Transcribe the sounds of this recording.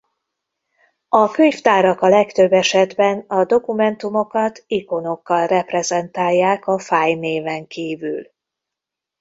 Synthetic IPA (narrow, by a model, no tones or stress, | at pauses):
ɒkøɲft̪aːɾɒkɒlɛkt̪ø̞bːɛʃɛd̪bɛnɒd̪o̞kumɛnt̪umo̞kɒt̪iko̞no̞kːɒlrɛprɛzɛnt̪aːjːaːkɒfaːjneːvɛŋkiːvyl